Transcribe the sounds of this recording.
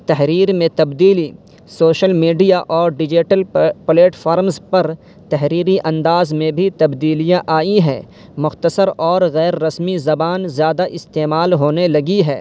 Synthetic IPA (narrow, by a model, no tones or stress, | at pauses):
t̪ɐɦɾiːɾmẽt̪ɐbd̪iːli | soːʃəlmiːɖijaʔɔːɾɖɪd͡ʒɪʈəlpleːʈfʰaːɾmzpɐɾ | t̪ɐɦɾiːɾiʔɐ̃nd̪aːzmẽbʱit̪ɐbd̪iːlijãʔaːiɦɛː | mʊxt̪əsəɾɔːɾɣɛːɾːɐsmizɐbaːnzjaːd̪aʔɪst̪eːmaːlɦoːnelɐɡiɦɛː